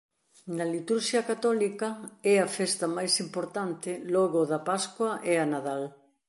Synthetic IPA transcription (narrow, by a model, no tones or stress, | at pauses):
nɐlit̪uɾʃjɐkat̪ɔlikɐɛɐfɛst̪ɐmajsimpoɾt̪ant̪ɪlɔɣʊðɐpaskwɐʔɛɐnaðal